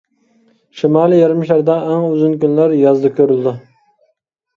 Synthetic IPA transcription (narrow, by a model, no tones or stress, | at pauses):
ʃimɑːlˠijɛɾmɪʃɑɾd̪ɑɛŋøzynkʲynlæɾjɑzd̪ɑkʲʰøɾylˠd̪u